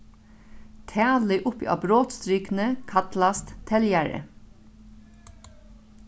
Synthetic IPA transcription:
t̪ʰæːləʔʊpḭːʔɑ̰ːbɾoːt̪st̪ɾʏːknəkʰɑt̪lɑst̪t̪ʰɛljæɹə̰

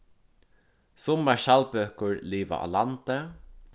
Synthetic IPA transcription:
sʊmːaʃalpøːkʊɹliːʋa̰ʔa̰lant̪ə

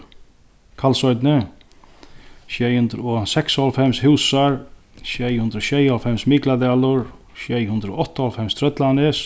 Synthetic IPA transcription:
kʰalsɔjt̪nɪ | ʃjɛjhʉnd̪ɾɔsɛksalfɛmshwsaɹʃjɛjhʉnd̪ɾɔɕɛjalfɛmsmiklad̪ɛaːlʊɹ | ʃɛjhʉnd̪ɾɔɔht̪ːahalfɛmst̪ʰɾœt̪lanɪs

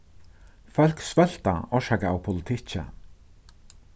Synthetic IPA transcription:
fœl̥ksvɛl̥t̪a̰ɔʂakaawpʰʊlɪt̪ʰɪt͡ɕə̰

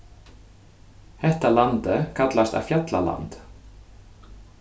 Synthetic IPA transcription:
hɛht̪alant̪ɪkʰat̪last̪a̰vfjat̪la̰la̰nt̪

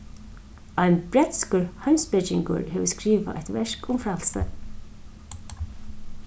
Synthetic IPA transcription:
aɪnbɾɛt̪skəɹhaɪmspɪt͡ʃɪŋkə̰ɹhɛːʋəskɾiːʋa̰ʔa̰jt̪vɛɹkʊmfɾalsə̰

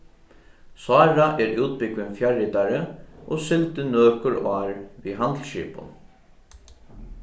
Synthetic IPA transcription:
sɑːɹaʔɛːɹuːt̪̚pɪkʋɪŋfjaɹɪt̪aɾəʔoːsɪlt̪ɪnøːkʊɹaːɹʋiːɦant̪lʃḭːpʊ̰n

